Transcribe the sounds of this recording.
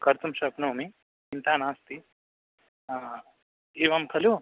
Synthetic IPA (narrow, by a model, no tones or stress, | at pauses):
kɐɾt̪umʃɐpnɐːmi | kint̪aːnaːst̪i | eːʋɐmkʰɐlu